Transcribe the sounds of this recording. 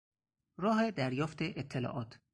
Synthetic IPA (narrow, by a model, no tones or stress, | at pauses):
ɾɒːɦed̪æɾjɒːft̪ʰeʔet̪ʰːelɒ̰ːʔɒːt̪ʰ